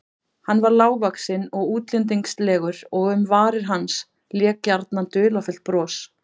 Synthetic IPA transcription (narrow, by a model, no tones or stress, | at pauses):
hanːvaɾlaːwvaksɪnɔɣuːt̪lɪnt̪̬iŋkst̪lɛːɣʏɾɔɣʏmvaːɾɪɾ̥ɦans | ljɛːkaɾt̪nant̪ʏːlafʏl̥t̪̚pɾɔːs